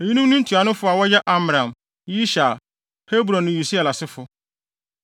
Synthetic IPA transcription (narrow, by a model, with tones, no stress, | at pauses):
e˨ji˦nũ˦m˦nʊ̃˦n̩˦tʰu˨a˨nʊ̃˦fʊ˦a˨wɔ˦jɛ˦ʔa˦m˨ɾã˨m | ji˦ɕa˨ | he˦bɾɔ̃˨nːʊ̃˨ju˨si˦a˨la˨sɪ˦fʊ˦